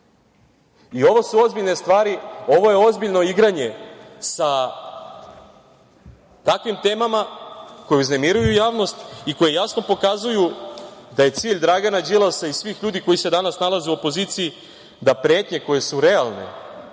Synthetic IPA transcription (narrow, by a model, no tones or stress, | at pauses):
io̞ʋo̞suo̞zbiʎne̞st̪ʋaːɾio̞ʋo̞je̞o̞zbiʎno̞iɡɾaɲe̞sa | t̪akʋimt̪e̞ːmamako̞jeuzne̞miɾujujaːʋno̞st̪iko̞je̞jasno̞po̞kazujud̪aje̞t̪siːʎʲd̪ɾaɡanad͡ʒilˠasaisʋiːxʎuːd̪iko̞jise̞d̪anasnalˠazeuopo̞ziːt̪sii | d̪apɾe̞ːt̪ɲe̞ko̞je̞suɾe̞alˠne̞̰